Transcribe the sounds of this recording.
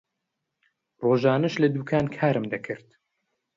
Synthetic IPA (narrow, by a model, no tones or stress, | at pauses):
roːʒaːnɐʃlɐd̪uːkʰaːnkʰaːɾɨmd̪ɐkʰɨɾt̪